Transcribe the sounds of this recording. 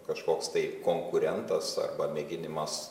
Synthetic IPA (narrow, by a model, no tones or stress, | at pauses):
kɐʃkoːkst̪ɐɪkoːŋkʊɾʲɛnt̪ɐsɐ̰rbɐmʲɛɡʲɪnʲɪmɐs